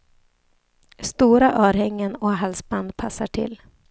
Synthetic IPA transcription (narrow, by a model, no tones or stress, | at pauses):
st̪uːɾaʔœːɾhɛŋːənɔɦalsband̪̚pʰasːaʈʰɪ̰lː